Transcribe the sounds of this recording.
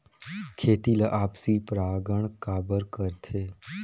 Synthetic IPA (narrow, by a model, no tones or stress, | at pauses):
kʰeːt̪iːlɐʔaːpsipɾaːɡəɳ̃kaːbəɾkəɾt̪ʰeː